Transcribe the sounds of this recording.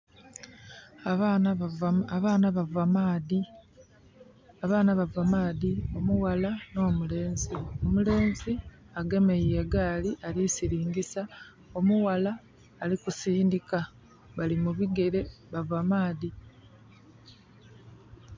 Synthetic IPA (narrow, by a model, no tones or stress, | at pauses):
βaːnaβavama | aβaːnaβavamaːðio̞muwalano̞ːmule̞ːnzio̞mule̞ːnzi | aɡe̞me̞jjeɡaːliʔalisiɾiːŋɡisa | o̞muwalaː | likusiːndika | βalimuβiɡe̞ɾe̞βavamaːði